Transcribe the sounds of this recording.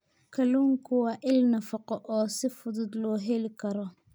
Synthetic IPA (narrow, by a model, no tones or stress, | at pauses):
kʰɐluːŋkʰʊwaʔɪlnɐfɐqɔʔɔːsɪfʊðʊd̪lɔːɦɛlɪkʰɐɾɔ